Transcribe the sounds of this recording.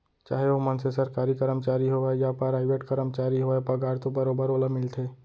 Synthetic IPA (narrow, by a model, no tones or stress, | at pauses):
t͡ʃa̰ːɦeomənsesəɾkaːɾikəɾəmt͡ʃaːɾiɦoajapaɾaːɪʋeʈkəɾəmt͡ʃaːɾiɦoepɐɡaːɾt̪obəɾoːbəɾoːlamɪlt̪ʰeː